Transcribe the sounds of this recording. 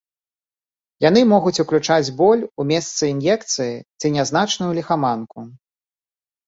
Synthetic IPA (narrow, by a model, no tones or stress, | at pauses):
jan̪ɨmɔɣut͡sʲuklʲut͡ʂad͡zʲbɔlʲumʲɛst̪sɨinjɛkt̪sɨjit͡s̪ʲɨnʲaznat͡ʂnujulʲixamanku